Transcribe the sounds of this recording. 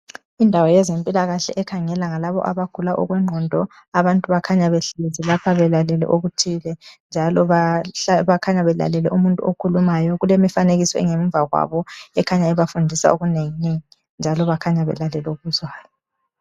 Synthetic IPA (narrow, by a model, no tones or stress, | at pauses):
indʱawɔjɛzempʼilaɣaɬɛ̰ʔɛkʰaŋɛlaŋalaβɔ̰ʔaβaɡ̥ʱulaʔɔ̰ɣwɛŋ͡ǃʱɔndʱɔ | aβantʼuβakʰaɲaβeɬezilapʰaβɛlalɛlɛ̰ʔoɣutʰilɛnd͡ʒʱalɔaβakʰaɲaβɛla̰lɛlɛ̰ʔumuntʼuokʰulumajɔɣulemifaneɣisɔɛ̰ŋem̩vʱaɣwa̰βɔɛkʰaɲaɛβafundʱisa̰oɣuneŋineŋi | nd͡ʒʱalɔβakʰaɲaβɛ̰lalɛlɛuɣβuzwaːjɔ